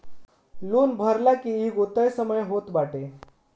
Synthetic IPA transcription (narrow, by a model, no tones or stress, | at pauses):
luːnbʱəɾlakiːɦiɡot̪əjsəməjɦot̪baʈe